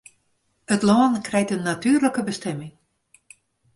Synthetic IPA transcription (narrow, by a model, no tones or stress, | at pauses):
ətlɔːənkrɛjtənːatyːrləkəbəstɛmɪŋ